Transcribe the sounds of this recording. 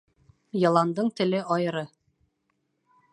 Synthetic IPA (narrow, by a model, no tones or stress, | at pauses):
jɤ̆lˠɑnd̪ɤɴt̪ɘ̆lɘʔɒjɤ̆ɾɤ